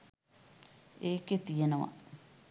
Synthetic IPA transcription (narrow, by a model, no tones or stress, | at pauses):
eket̪ijenawa̰